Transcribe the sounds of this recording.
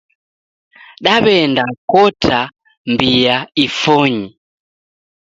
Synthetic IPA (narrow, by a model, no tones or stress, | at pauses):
ɗaβɛndakɔtʰa | mbijaifɔɲi